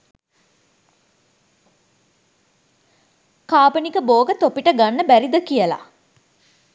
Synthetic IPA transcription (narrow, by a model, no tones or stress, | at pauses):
kaːpənikəboːɡət̪opiʈəɡanːəbæɾid̪əkijəla̰